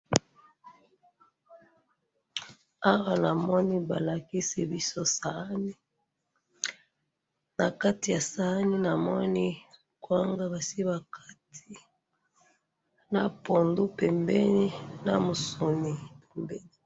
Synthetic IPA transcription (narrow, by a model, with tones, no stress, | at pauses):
a˦wa˨na˨mɔ˦ni˦ba˨la˨ki˦si˨bi˦so˦sa˨˦ni˦ | na˨ka˦ti˨ja˨sa˨˦ni˦na˨mɔ˦ni˦ | kwa˦ŋɡa˦ba˨si˦βa˨kʰa˦tʰi˦ | na˨po˨ndu˦pɛ˨mbɛ˦ni˦na̰˨mo˨so˨ni˨pɛ˨mbɛ˦ni˨